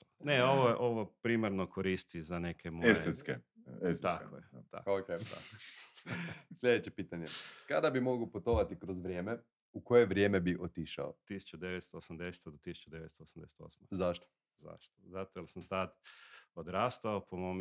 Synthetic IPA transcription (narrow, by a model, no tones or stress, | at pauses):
neoʋojeʔo̞ʋopɾiːmaɾnokoɾist̪izanekʰemoeset̪skeest̪ako̰jet̪a̰kokea̰ | slʎʲed̪et͡ɕepiːt̪aɲekad̪abimo̞ɡuput̪o̞ʋat̪ikɾozʋɾʲjeːme | uko̞jeʋɾʲjeːmebiʔot̪iʃa̰o̰t̪ːisu̥t͡ʃud̪eʋet̪st̪oosamd̪ese̥t̪ad̪ot̪isu̥t͡ʃud̪e̞ʋet̪st̪oosamd̪ese̥t̪o̰smazaʃt̪o̥ | za̰ʃt̪ozat̪ojelsamt̪ad̪od̪ɾaːst̪aopomom